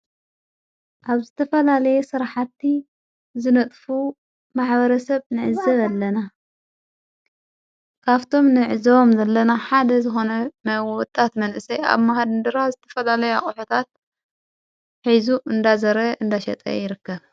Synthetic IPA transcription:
ʔaβzɨt̪ʰɐfɐlalɐjɛsɨɾħat̪ːi | zɨnɐt̪ʼfu | maħbɐɾɐsɐβnɨʕɨzɐβalːɐna | kʰaβt̪ʰo̞mnɨʕɨzɐβomzɐlːɐnaħad̪ɐzɨxo̞nɐmwɔt̪ʼːat̪mɐnʔɨsɐja̰βmaɦad̪ɨnd̪ɨɾazɨt̪ʰɐ̥fɐlalɐjaχʼuħut̪ʰat̪̚ | ħizuʔɨnd̪azɐɾɐʔɨnd̪aʃɐ̰t̪ʼɐ̰jɪɾɨkːɐβ

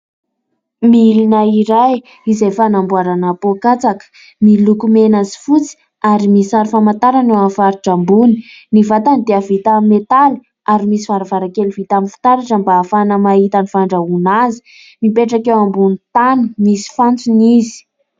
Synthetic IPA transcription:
milinaiɾaj | izejfanambuaɾanapokat͡sakə̥ | milukumenazi̥fut͡si̥ | aɾimisaɾifamant̪aɾanewafaɾiʈ͡ʂambuni̥nivat̪anid̪eəvit̪ammet̪ali̥ | aɾimisiv̥aɾavaɾakelivit̪aminfi̥t̪aɾaʈ͡ʂəmbaːfanəmaɦit̪anifaɳɖ͡ʐaunazi̥ | mipeʈ͡ʂakewambunt̪anumisi̥fant͡sunizi̥

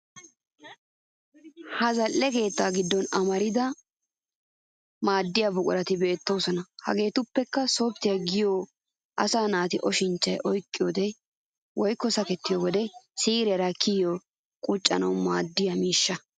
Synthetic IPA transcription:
hɐzɐlːɛke̞ːt̪ːaːɡɪd̪ːɔnɐmɐɾɪd̪ɐ | maːd̪ːɪjabʊkʼʊɾɐt̪ɪbe̞ːt̪ːo̞ːsɔnɐhɐ̰ɡe̞ːt̪ʊpːɛkːɐsoːp̚t̪ːɪjɐɡɪjoː | ʔɐ̰saːnaːt̪ɪʔɔʃɪnt͡ʃːɐjʔɔjkʼːɪjoːd̪ɛ | wʔɔjkːɔsɐkɛt̪ːɪjowɔd̪ɛsiːɾɛɾɐkʰijo | kʼʊt͡ʃʼːɐ̰nɐwmaːd̪ːɪjamiːʃːɐ

